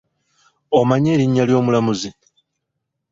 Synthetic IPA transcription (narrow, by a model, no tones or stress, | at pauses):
omaɲe̞ːɾiɲːaljo̞ːmulamuzi